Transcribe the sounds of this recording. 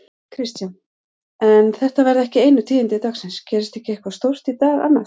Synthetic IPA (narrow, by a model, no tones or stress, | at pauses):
kʰɾist̪jan | ɛnθɛht̪avɛɾðɛhcɪeːjnʏt̪ʰiːɪnt̪ɪt̪aːɣsɪnscɛːɾɪst̪ɛhcɪehkvast̪owr̥t̪it̪aːða̰nːa